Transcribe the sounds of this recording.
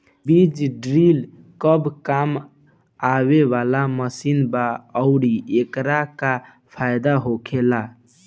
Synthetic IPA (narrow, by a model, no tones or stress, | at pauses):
bid͡ʒɖɾil | kəbkam | aβeʋalaməsinbaəʊɾiekɾaka | pʰajd̪aɦokʰela